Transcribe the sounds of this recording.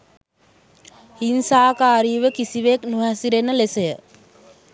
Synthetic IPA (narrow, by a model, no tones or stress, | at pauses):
hinsaːkaːɾiːʋəkisiʋeknuɦæsiɾenːəlesejə